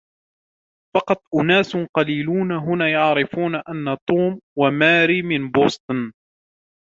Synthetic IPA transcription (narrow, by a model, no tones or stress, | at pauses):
fɑqɑt̪ˤʔʊnaːsʊnqɑliːluːnaɦʊnaːjɑʕɾɪfuːnaʔanːat̪ˤuːmwamaːɾiːmɪnboːst̪ˤn